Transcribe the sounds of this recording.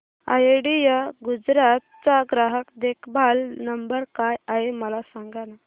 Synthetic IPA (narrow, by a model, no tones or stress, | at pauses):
a̰jeɽijəɡud͡zɾat̪̚t͡saɡɾaɦəkd̪ekʰbʱalnəmbəɾkajaɦeməlasaŋɡana